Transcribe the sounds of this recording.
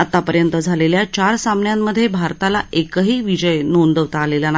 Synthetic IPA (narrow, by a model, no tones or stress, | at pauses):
at̪apəɾjənt̪əd͡zʱaleljat͡ɕaɾsamnjamːəd̪ʱːjebʱaɾt̪alaekəɦiːʋid͡ʑəjnond̪əʋt̪aːlelana